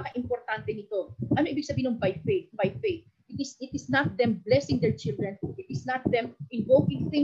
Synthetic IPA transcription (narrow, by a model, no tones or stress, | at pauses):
kɐʔɪmpoɾt̪ant̪ɛnɪt̪o̞ʔɐnoʔibɪɡ̚sɐbiːhinʊŋbajfejt̪̚bajfejt̪ | ʔɪt̪ɪsɪt̪ɪsnɐt̪̚d̪ɛmblɛsɪ̃ŋd̪ɛɹt͡ʃɪld̪ɹɛnʔɪt̪ɪsnɐt̪̚d̪ɛmʔɪvowkɪ̃ŋθɪ̃